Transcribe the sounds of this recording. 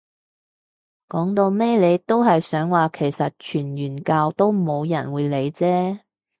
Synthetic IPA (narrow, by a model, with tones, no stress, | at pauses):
kɔː˨˥ŋt̪o˧wmɛ˥le˨˧jt̪o˥wɦɐ˨jsœː˨˥ŋwaː˨kʰe˨˩jsɐ˨t̚t͡ʃʰyː˨˩njyː˨˩nkaː˧wt̪o˥wmo˨˧wjɐ̰˨˩nwuː˨˧jle˨˧jt͡sɛː˥